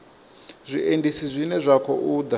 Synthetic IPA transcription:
zʷiʔendisizʷinɛzʷakʰɔ̰ʔuːd̪a

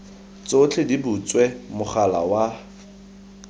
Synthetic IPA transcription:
t͡sʼot͡ɬʰɪdibut͡swɛmʊχala̰wa

